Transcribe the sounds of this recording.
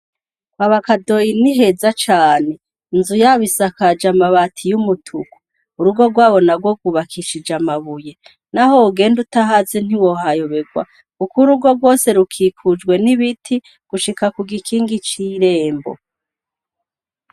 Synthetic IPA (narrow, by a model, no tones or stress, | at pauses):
kwaβakadojiniɦe̞zat͡ʃaːne̞ | nzujaβisakad͡ʒamaβatʰijumutʰuku̥ | uɾuɡo̞ɡwaːβo̞naɡwoɡuβakʰiʃid͡ʒamaβuje̞ | naho̞uɡe̞ːndutaɦazen̥iwo̞hajo̞βe̞ɡwa̰ | kukuɾuɡo̞ɡwo̞se̞ɾukʰikʰud͡ʒɡwe̞niβitʰi | ɡ̥uʃikakuɡikʰiːŋɡit͡ʃiɾe̞ːmbo̰